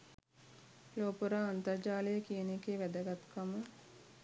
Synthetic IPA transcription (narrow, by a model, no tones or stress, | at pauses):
loːpuɾaːnt̪ərd͡ʒaːləjəkijənekeːʋæd̪əɡat̪kamə